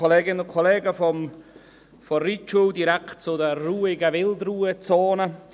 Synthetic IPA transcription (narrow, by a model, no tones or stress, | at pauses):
ɔleːɡɪnəʊnkʰɔleːɡəfɔm | fɔrit͡ʃuwdiɾɛktt͡sʊdəruːɪɡəvɪldruːət͡soːnə